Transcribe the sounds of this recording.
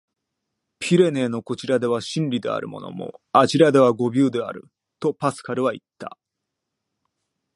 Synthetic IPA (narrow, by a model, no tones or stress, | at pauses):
pʲʰiɾe̞ne̞ːno̞ko̞t͡ɕiɾad̪e̞β̞aɕĩnɾʲid̪e̞̰a̰ɾɯ̟mo̞̰no̞̰mo̞̰aʑiɾad̪e̞βaɡo̞bʲɨːd̪e̞a̰ɾɯ̟ | t̪o̞pasɨ̥kaɾɯ̟βait̪ːa̰